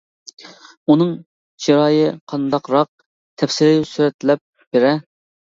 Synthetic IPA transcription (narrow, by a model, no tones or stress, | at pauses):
unɨŋ | d͡ʒiɾɑːjɪqʰɑnd̪ɑqɾɑq̚ | t̪ʰɛfsɪɾɪsyɾɛt̪ʰlɛp̚ | b̥ɪɾɛ